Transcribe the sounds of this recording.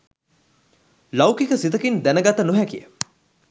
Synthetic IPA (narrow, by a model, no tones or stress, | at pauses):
lɐwkikəsit̪əkind̪ænəɡat̪ənuɦækijə̰